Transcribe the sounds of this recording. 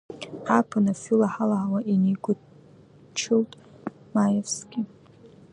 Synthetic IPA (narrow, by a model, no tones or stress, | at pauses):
apʰanafilaħalaʕawaʔiniɡʷʊ | t͡ʃʰɨltʼ | majevsɡʲɪ